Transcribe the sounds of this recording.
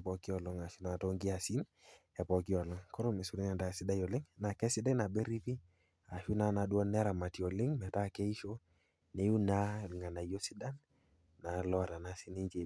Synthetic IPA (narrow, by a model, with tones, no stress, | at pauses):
pɔ˧ki˦ɔ˨lɔ˦ŋa˨ʃi˦na˨to˦ŋɡi˦a˨si˦n | ɛ˨pɔ˨ki˦ɔ˨lɔ˦ŋkɔ˦ɾo˦me˨su˨ɾi˦nɛ˨nda˨si˦da˦jɔ˨lɪ˦ŋna˨kɛ˦sɪ˦da˦na˨be˦ɾi˦pi˦ | a˨ʃu˦na˨na˧du˦ɔ˦nɛ˦ɾa˨ma˨ti˨ɔ˨lɪ˦ŋmɛ˨ta˦˨kɛ˦i˦ʃo˦ | ne˨u˦na˦˨lŋa˨na˨jo˦si˦da˦nː | a˨lɔ˦˨ɾa˨na˦si˦ni˦nt͡ʃe˨